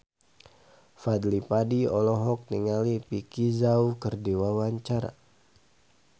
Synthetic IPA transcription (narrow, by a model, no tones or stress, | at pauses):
fad̪lipadiɔlɔɦɔk̚niŋalipikizaukərdiwawaɲt͡ʃaɾa̰